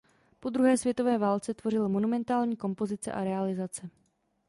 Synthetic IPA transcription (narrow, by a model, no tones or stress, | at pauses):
po̞d̪ɾuɦɛːsvjɛt̪o̞vɛːvaːlt͡sɛt̪vo̞r̝ɪlmo̞numɛnt̪aːlɲiːko̞mpo̞zɪt͡sɛ̰ʔaɾɛalɪzat͡sɛ